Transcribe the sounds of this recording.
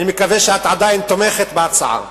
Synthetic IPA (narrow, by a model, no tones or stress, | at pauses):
nimekaveʃeat̪ʕad̪ajnt̪omeχet̪beat͡sa̰ʕa̰